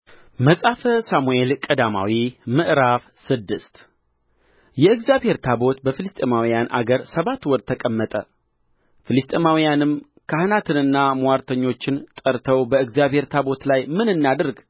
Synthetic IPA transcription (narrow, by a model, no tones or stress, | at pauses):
məsʼafəsamuelkʼəd̪ama̰wimɨʔɾafsɨd̪ːɨst̪ | jɛɨɡzjabhe̞ɾt̪ʰabo̞t̪bəfɨlɨst̪ʼemawijanʔa̰ɡəɾsəβat̪ːwɔɾt̪ʰəkʼəmːət̪ʼə̰ | fɨlɨst̪ʼemawijanɨm | kʰahɨnat̪ʰɨnɨnːamuwaɾt̪ʰəɲːo̞t͡ʃːɪnt̪ʼəɾt̪ʰəwbəɨɡzjaβhe̞ɾt̪ʰabo̞t̪lajmɨnɨnːad̪ɨɾɡ